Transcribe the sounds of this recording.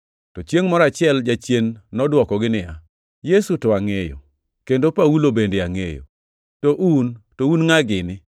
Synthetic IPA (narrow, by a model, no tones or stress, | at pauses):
tɔt͡ʃjeŋmɔɾat͡ʃɪɛld͡ʒat͡ʃjenːɔdwɔkɔɡɪnɪja | jesutɔaŋejo̰ | kendopaulobendeaŋḛjo̰ | toʔuntounŋaɡɪnɪ